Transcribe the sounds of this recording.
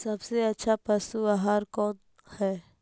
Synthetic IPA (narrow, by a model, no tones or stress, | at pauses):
sɐbseɐtːʃʰapɐsuaɦaːɾkɔːn | hɛː